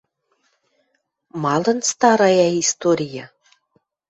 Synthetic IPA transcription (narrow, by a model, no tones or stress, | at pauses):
mɑlɤ̆nst̪ɑɾɑjɑist̪oɾʲijɑ